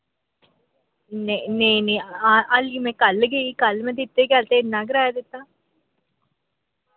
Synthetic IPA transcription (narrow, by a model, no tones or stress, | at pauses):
nẽnẽĩnẽaʔaliːmɛ̃ːkəlɡəikəlmɛ̃ːd̪ɪt̪ːeɡjaːlt̪eɪnːãːɡɪɾaːjad̪ɪt̪ːaː